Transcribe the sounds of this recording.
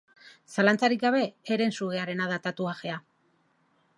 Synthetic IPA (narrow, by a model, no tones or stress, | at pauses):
salant͡saɾikɡaβe̞ːɾe̞nsuɣe̞aɾe̞naðat̪at̪uaxe̞a